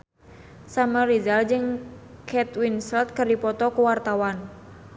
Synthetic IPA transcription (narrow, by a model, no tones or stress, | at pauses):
saməɾizald͡ʒɨŋkʰɛt̪winsɛlt̪̚kɨrdipɔt̪ɔkuwart̪awan